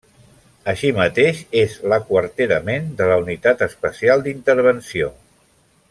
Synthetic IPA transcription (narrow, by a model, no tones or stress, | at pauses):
əʃimət̪eʃezləkwəɾt̪eɾəmend̪ələunit̪at̪əspəsialˠd̪int̪əɾβ̞ənsio